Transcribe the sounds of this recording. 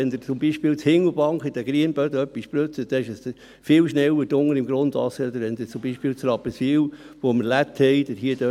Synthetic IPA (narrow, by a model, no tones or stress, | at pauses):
ɛnd̪əɾt͡sʊmbiʃpɪːlt͡shɪŋəlbɑŋkχɪd̥ɛɡɾiənb̥œdœpːispɾøt͡sətd̥̪ɛɪʃəs | fɪːlʃnɛwəd̥ʊŋːəɾɪmɡɾʊnd̪ɑ̰sɛd̪əɾʋɛnd̪ət͡sʊmbiʃpɪːlt͡srɑpəsiwʋoməɾlæt̪ʰhɛɪd̥̪əɦiəd̥ø